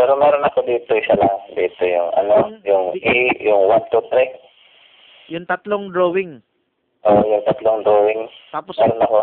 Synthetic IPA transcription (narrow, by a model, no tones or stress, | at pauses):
pɛːɾomɛːɾonɐko̞d̪iːt̪oɪsalaŋd̪iːt̪o̞jʊŋɐ̰nojʊŋijʊŋwant̪ut̪ɾɪ | jʊŋt̪ɐt̪loŋd̪ɾowɪŋ | ʔoʔjʊŋt̪ɐt̪loŋd̪ɾoːwɪŋt̪aːposɛːɾonɐko